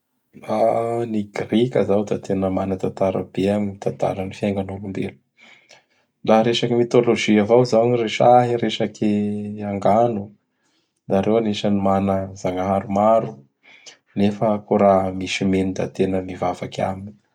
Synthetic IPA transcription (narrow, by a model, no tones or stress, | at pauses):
laniɡrikʲəzawd̪at̪ʰenəmanət̪at̪aɾə̰b̥eaɲmit̪ant̪a̰lənifjaŋɡanulumbelu̥ | laɾeʃakimit̪oloʒiavawzawɲireʃaɦiɾeʃakiaŋɡanu | d̪aɾewaneʃənimanəzaŋaɦaɾumaɾu | nefəkoɾamisimenid̪a̰t̪enəmivavaka̰min